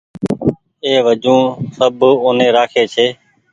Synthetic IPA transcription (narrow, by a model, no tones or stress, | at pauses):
eːʋəd͡ʒũːsəboːnẽːɾaːkʰeːt͡ʃʰeː